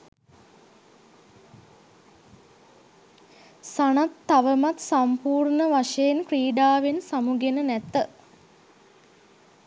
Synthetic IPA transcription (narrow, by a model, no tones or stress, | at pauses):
sanat̪ːaʋəmat̪sampuːrnəʋaʂejenkriːɖaːʋensamuɡenənæt̪ə